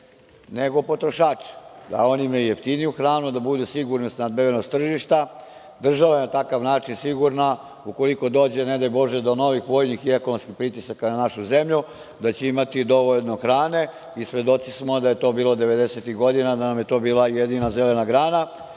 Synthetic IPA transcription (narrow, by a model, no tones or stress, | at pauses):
neɡo̞po̞t̪ɾo̞ʃaːt͡ʃi̥d̪a̰o̞nimeujeft̪inijuxɾaːnud̪abud̪usiɡuɾnost̪nad̪̚beʋenost̪r̩ʒiʃt̪a | d̪r̩ʒaʋajenat̪akaʋnaːt͡ʃinsiɡuɾna | uko̞liko̞d̪o̞ːd͡ʑe̞ned̪ajbo̞ʒed̪o̞no̞ʋixʋoːjnixiekonomskixpɾit̪isakananaʃuze̞mʎu | d̪at͡ɕeimat̪id̪o̞ʋo̞ʎno̞xɾaːne̞ | isʋe̞d̪o̞t̪sismo̞d̪aje̞t̪o̞ːbiːlˠo̞d̪e̞ʋe̞d̪eset̪iɣɡo̞d̪inad̪anamjet̪o̞biːlajed̪inazelenaɡɾaːna